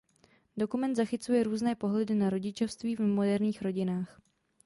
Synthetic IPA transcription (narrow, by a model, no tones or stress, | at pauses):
do̞kumɛnt̪zaxɪt͡sujɛɾuːznɛːpo̞ɦlɛdɪnaɾo̞ɟɪt͡ʃo̞fst̪viːvmo̞dɛɾɲiːxɾo̞ɟɪnaːx